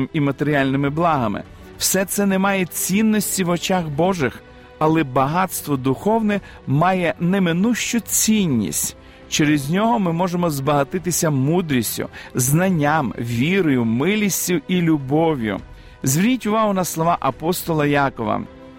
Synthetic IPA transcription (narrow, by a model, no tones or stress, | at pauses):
mimɐt̪eɾʲialʲnɪmɪblˠɑɦɐmɪ̰ | wsɛt̪sɛnɛmɑjɛt͡sʲinːɔsʲtʲiʋɔt͡ʃaxbɔʒɪx | ɐlˠɛbɐɦɑt̪st̪ʋɔd̪ʊxɔwnɛ | mɑjɛnɛmɪnuʃt͡ʃʊt͡sʲinʲːḭsʲtʲ | t͡ʃɛɾɪzʲnʲɔɦɔmɪmɔʒemɔzbɐɦɐt̪ɪt̪ɪsʲɐmud̪ɾʲisʲtʲʊ̰znɐnʲːamʋʲiɾɔjʊmɪlʲisʲtʲiilʲʊbɔʋʲjʊ̰ | zʲʋʲirʲnʲitʲʊʋɑɦʊnɐslˠɔʋɑʔɐpɔst̪ɔlˠɐjɑkɔʋɐ̰